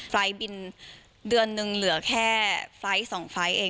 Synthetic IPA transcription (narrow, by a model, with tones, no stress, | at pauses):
fla˦˥jbi˧n | dɯ˧ənːɯ˧ŋlɯ˩˦ɐkʰɛː˥˩fla˦˥jsɔː˩˦ŋfa˦˥jʔeː˧